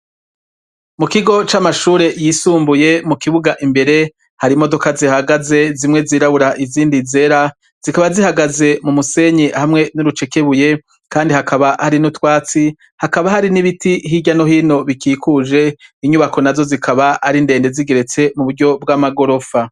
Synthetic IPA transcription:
mukiɡo̞t͡ʃamaʃuːɾe̞jisuːmbuje̞mukiβuɡaʔimbe̞ɾe̞ | haɾimodo̞kazihaɡaze̞zimŋe̞ziːɾaβuɾaʔiziːndize̞ɾa | z̥ikaβazihaɡaze̞mumuse̞ɲehamŋe̞nuɾut͡ʃe̞ke̞βuje̞ | kaːndihakʰaβahaɾinutwaːt͡si | hakaβahaɾiniβitiɦiɟano̞hino̞βikiːkuʒe̞iɲuβako̞nazo̞zikʰaβaaɾinde̞ːnde̞ziɡe̞ɾe̞t͡se̞muβuɾɟo̞b̚ɡamaɡo̞ɾo̞fa

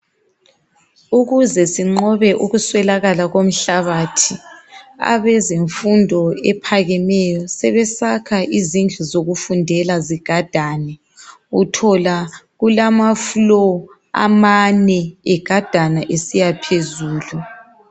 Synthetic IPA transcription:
uɣuzɛsiŋ͡ǃɔβɛʔuɣuswɛlaɣalaɣom̩ɬaβaːtʰia̰βɛzeɱfundʱɔɛpʰaɣɛmɛjɔsɛβɛsakʰaʔizind͡ɮʱuzoɣufundʱɛlaziɡ̥ʱad̥ʱanɛ | utʰɔlaɣulamaflɔ | a̰manɛɛɡ̥ʱad̥ʱanaʔesijapʰezuːlu

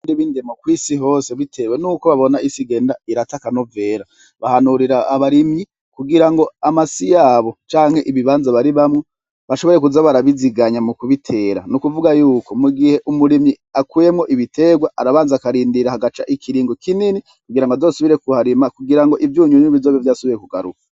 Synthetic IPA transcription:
ndiβiːndemokwiːsiɦo̞ːse̞βitʰe̞we̞nuːko̞βaβo̞naisiɡe̞ːndaiɾatakano̞ve̞ːɾa | βahanuɾiɾaːβaɾimɲi | kuɡiɾaŋɡo̞amasijaːβo̞t͡ʃaːŋ̥he̞ʔiβiβaːnzaβaɾiβamŋe | βaʃo̞βo̞ɾe̞k̬uzaβaɾaβiziɡaɲamukuβitʰe̞ːɾanukuvuɡajuːko̞muɡihe̞ʔumuɾimi | akuje̞mŋo̞ʔiβitʰe̞ːɡwaʔaɾaβaːnzakaɾiːndiɾahaɡat͡ʃaʔikʰiɾiːŋɡokinini | kuɡiɾaŋɡazosuβiɾe̞kuhaɾimakuɡiɾaŋɡo̞ʔivjuːɲuɲβizoːβivjaːsuβiɾekuɡaɾṵkḁ

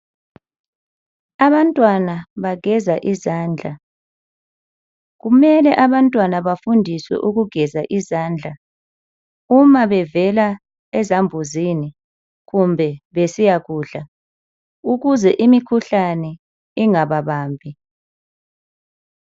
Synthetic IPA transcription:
aβantʼwanaβaɡ̥ʱɛzaʔizaːnd͡ɮʱa | ɣumɛlɛʔaβantʼwanaβafundʱiswɛ̰ʔuɣuɡ̥ʱɛzaʔizaːnd͡ɮʱa | umaβɛvɛla | ɛzambʱuzini | ɣumbʱɛβesijaɣuːɮa | uɣuzɛʔimikʰuɬanɛ | iŋaβaβaːmbʱi

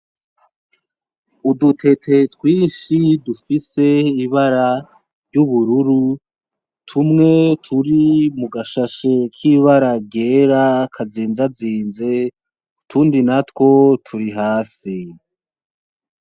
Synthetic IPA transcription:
udutʰe̞tʰe̞twiːnʃidufise̞iβaɾa | ɾjɟuβuɾuɾu | tʰumŋe̞tʰuɾimuɡaʃaʃekʰiːβaɾaɟeːɾakʰaziːnzaziːnze̞ | utʰuːndinatko̞tʰuɾiɦaːsi

